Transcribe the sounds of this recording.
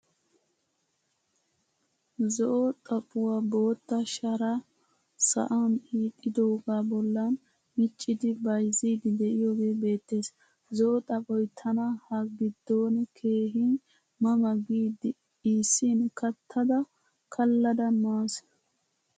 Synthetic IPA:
zɔʔɔt̪ʼɐpʼʊwabo̞ːt̪ːɐʃɐɾɐ | sɐ̰ʔɐniːt̪ʼːɪd̪oɡaːbɔlːɐn | mɪt͡ʃʼːɪd̪ɪbɐjziːd̪ɪd̪ɛʔɪjoːɡe̞ːbe̞ːt̪ːe̞ːs | zɔʔɔt̪ʼɐpʼɔjt̪ʰɐnɐhɐɡɪd̪ːoːnkʰe̞ːɦi | mɐmɐɡiːd̪ɪ | iːsːinkɐt̪ʰːɐd̪ɐ | kʰɐlːɐd̪ɐmaːs

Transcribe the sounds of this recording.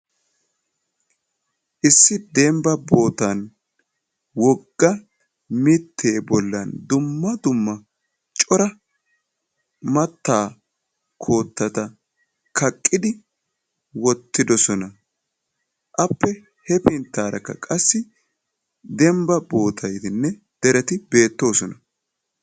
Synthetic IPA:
ʔɪsːɪd̪ɛmbɐbo̞ːt̪ɐn | wɔɡːɐ | mɪt̪ʰːeːbɔlːɐnd̪ʊmːɐd̪ʊmːɐ | t͡ʃʼɔɾɐ | mɐt̪ːaː | kʰo̞ːt̪ːɐt̪ɐ | kʰɐkʼːɪd̪ɪ | wɔt̪ːɪd̪ɔsɔnɐ | ʔɐpːɛ | hɛpɪnt̪ːaːɾɐkːɐkʼɐsːɪ | d̪ɛmbɐbo̞ːt̪ʰɐjt̪ɪnːɛ | d̪̥ɛɾɛt̪ɪbe̞ːt̪ːo̞ːsɔnɐ

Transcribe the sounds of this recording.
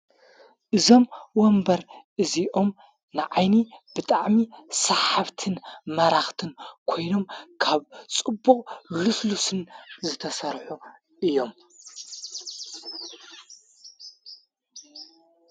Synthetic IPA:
ʔɨzo̞mwombɐɾʔɨziʔo̞m | nɨʕajnib̥ɨt̪ʼaʕmisɐħaβt̪ʰɨnmɐɾaxt̪ʰɨnkʰo̞jno̞mkʰaβt͡sʼɨbːuχʼluslusɨnzɨt̪ʰɐsɐɾħu | ʔɨjo̞m

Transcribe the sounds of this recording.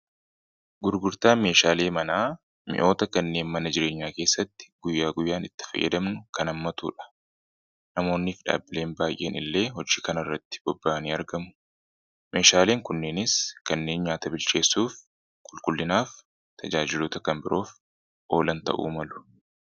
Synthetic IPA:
ɡʊɾɡʊɾt̪aːme̞ːʃaːle̞ːmɐnaː | mɪ̰ʔo̞ːt̪ɐkɐnːe̞ːnmɐnɐd͡ʒɪɾe̞ːɲːaːke̞ːsːɐt̪ːɪ̥ɡ̥ʊjːaːɡʊjːaːnɪt̪ːɪ̥fɐ̰jʔːɛ̰d̪ɐmnʊkɐnɐmːɐt̪ṵːᶑɐ̥ | nɐmo̞ːnːiːfᶑa̰ːbːɪle̞ːnbaːjʔe̞̰ːnɪ̰lːe̞ːɦɔd͡ʒiːkɐnɐrːɐt̪ːɪ̥b̥ɔbːaːniːɐɾɡɐmʊ̥ | me̞ːʃaːle̞ːŋkʊnːeːnɪskɐnːe̞ːnɲaːt̪ɐbɪlt͡ʃe̞ːsːuːf | kʼʊlkʼʊlːɪnaːf | t̪ʰɐd͡ʒaːd͡ʒɪloːt̪ɐkɐnbɪɾʔo̞ːf | ʔo̞ːlɐnt̪ɐ̰ʔṵːmɐlʊ̥

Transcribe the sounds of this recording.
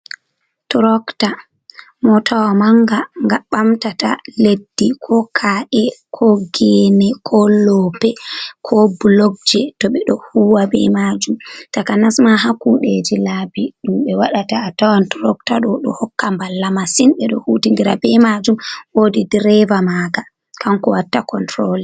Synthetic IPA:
tɔɾɔkta | mɔtʰawamaŋɡaŋɡaɓamtata̰ledːikʰɔkʰaʔɛkʰɔɡɛnɛkʰɔllɔpɛkʰɔblɔɡ̚d͡ʒɛtɔɓɛɗɔhuwabɛ̰mad͡ʒumtakanasmaɦakuɗed͡ʒilabiɗumɓɛwaɗataːtawantɾɔktaɗɔɗɔ̰hɔkːambalːamasinɓɛɗɔhutiŋɡiɾa̰bɛmad͡ʒumwodidɾɛvamaɡa | kʰaŋkɔwatːakɔntɾɔlɛ

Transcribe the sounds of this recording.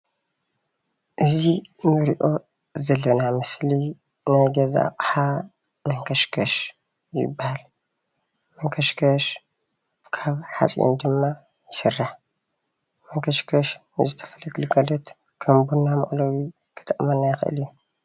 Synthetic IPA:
ʔɨzinɨɾiʔo̞ | zɐlːɐnamɨsli | najɡɐzaa̰χʼħa | mɐŋkʰɐʃkʰɐʃ | jɪ̰bːahal | mɐŋkʰɐʃkʰɐʃ | kʰaβħa̰t͡sʼḭo̰nd̪ɨmːa | jɪsɨrːaħ | mɐŋkʰɐʃkʰɐʃnɨzɨt̪ʰɐ̥fɐlɐkʰɨlukʰɐlɐt̪ | kʰɐmbunːamɐ̰ʔlowi | kʰɨ̥t̪ʰɨʔmɐnajɪxɨʔɨ̰lju

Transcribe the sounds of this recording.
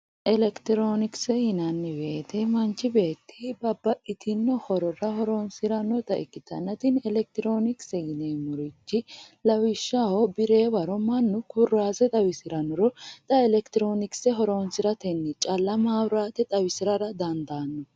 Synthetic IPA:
ʔɛlɛkt̪ɪɾoːnɪksɛhɪnɐnːɪweːt̪ɛmɐnt͡ʃːɪbe̞ːt̪ːɪbɐbːɐʔɪt̪ʰɪnːɔhɔɾɔɾɐhɔɾoːnsɪɾɐnːɔt̪ɐɪkːɪt̪ɐ̰nːɐt̪ɪnɛlɛk̚t̪ɪɾoːnɪksɛɡɪnemʊɾɪt͡ʃːɪlɐwɪʃːahɔbɪɾe̞ːwɐɾɔmɐnːʊkʊrːaːsɛt̪ʼɐwɪsɪɾɐnɔɾɔt̪ʼɐɛlɛkt̪ɪɾo̞ːnɪksɛɦɔɾoːnsɪɾɐt̪ɛnːɪt͡ʃʼɐlːɐmaːwɾaːt̪ɛt̪ʼɐwɪsɪɾɐɾɐd̪ɐnd̪aːnːɔ

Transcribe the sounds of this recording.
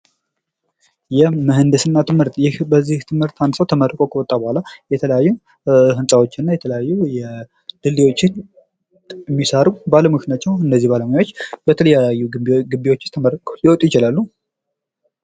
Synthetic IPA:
jɛmɨɦɨnd̪ɨsɨnːat̪ɨmhɨɾt̪jɪhbəzːiht̪ʰɨmhɨɾt̪ʰandɨ̥səwt̪ʰəməɾkʼokʰəwɔt̪ʼːabəhʷalajɛt̪ʰələjajːu | ɦɨnsʼawo̞t͡ʃːɪnːajɛt̪ʰələjajːujɛ | d̪ɨlːiwo̞t͡ʃːɪn | mːisəɾubaləmɨknjat͡ʃːɛwɨndəzːihbaləmjawot͡ʃːbət̪ʰələjajːuɡɨbiwot͡ʃːɪst̪ʰəmərkʼoliwɔt̪ʼujɪt͡ʃɪlalːu

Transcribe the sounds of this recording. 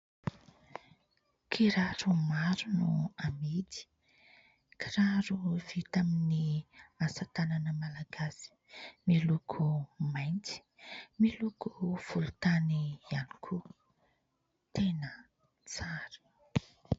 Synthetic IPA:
kʰiɾaɾumaɾunuamid̪i̥ | kʰaɾaɾuvit̪aminiasat̪ananəmalaɡasi̥ | milukʰumajnt͡si̥milukʰuv̥ulut̪anianikʰu | t̪enə | t͡saɾə̥

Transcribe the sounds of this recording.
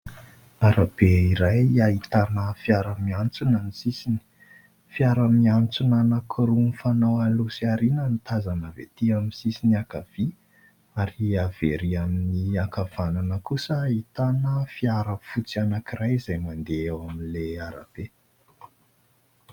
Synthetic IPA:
aɾab̥eiɾajaɦit̪anəfiaɾəmiant͡sunanisisini̥ | fiaɾəmiant͡sunanakʰɾunfanawalusiaɾinənit̪azanəvḛt̪iaminsisiniakav̥i | aɾiaveɾiaminiakav̥ananəkusəːit̪anəfiaɾəfut͡sianakirajizajmand̪eewaminleaɾa̰b̥e

